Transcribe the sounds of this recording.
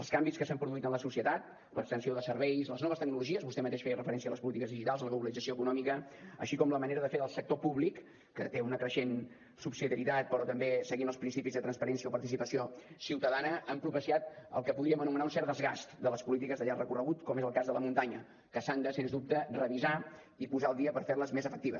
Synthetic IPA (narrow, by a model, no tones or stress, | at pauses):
əlˠskambiskəsampɾuðuit̪ənləsusiət̪at̪̚ | ləkst̪ənsioðəsəɾβɛjzləznɔβəst̪əɡ̚nuluʒiəzβust̪ɛmət̪eʃfeərəfəɾɛnsiələspulit̪ikəzðiʒit̪alˠzləɣluβəlid͡zəsioəkunɔmikəə̰ʃikɔmləməneɾəðəfeɾəlˠsək̚t̪opuβlikː | ət̪eunəkɾəʃen | supsiðijəɾit̪at̪̚pəɾɔt̪əmbesəɣinəlˠspɾinsipizðət̪ɾənspəɾɛnsijəopəɾt̪isipəsiosiwt̪əðanəʔəmpɾupəsiat̪ə̰lˠkəpuðɾiəmənumənaunsɛɾd̪əzɣast̪d̪ələspulit̪ikəzðəʎarrəkurəɣut̪kɔmezəlˠkazðələmunt̪aɲə | kəsand̪əsenzd̪up̚t̪ərəβiza | ipuzaːlˠd̪iəpəɾferləzmezəfəkt̪iβə̰s